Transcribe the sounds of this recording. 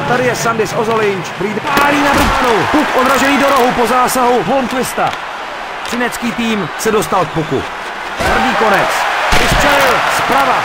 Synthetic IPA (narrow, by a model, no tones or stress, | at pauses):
t̪adɪjɛsandɪsʔozolɪɲt͡ʃkt̪ɛɾiːd̪aːɲiːnabɾut̪anowpukʔod̪ɾaʒɛniːdoɾo̞ɦupo̞zaːsaɦuɦomkvɪst̪a̰ | t͡ʃɪnɛt͡skiːt̪iːmsɛdo̞st̪alk̚pukṵ | p̪r̩vɲiːko̞nɛt͡svɪsp̪rɛlɪlspɾava